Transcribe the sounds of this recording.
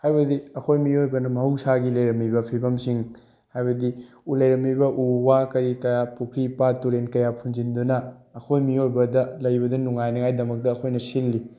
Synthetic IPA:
hajbɐdiɐkʰojmiojbɐnɐmɐɦɐwsaɡilɐjɾɐmːibɐpʰibɐmsiŋ | hajbɐdi | ulɐjɾɐmːibɐʔuwakɐɾikɐjapukʰɾipatuɾenkɐjapʰuŋzindunɐːkʰojmiojbɐdɐlɐjbɐdɐnuŋajnɐŋajdɐmɐk̚tɐːkʰojnɐsilːi

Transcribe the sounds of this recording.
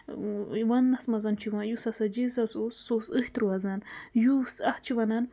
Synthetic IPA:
wɐnːɐsmɐzɐnt͡ʃʰiwɐnjusɐsɐd͡ʒizɐsosːosɨht̪ɾuɐzɐnjusɐht͡ʃʰiwɐnɐn

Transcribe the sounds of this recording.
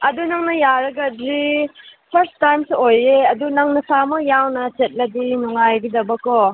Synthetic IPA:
ɐdunaŋnɐjaɾɐɡɐdɾipʰɐɾstajmsuojeɐdunaŋnɐsamɐjawnɐt͡ʃet̚lɐdinuŋajɡidɐbɐkɔ

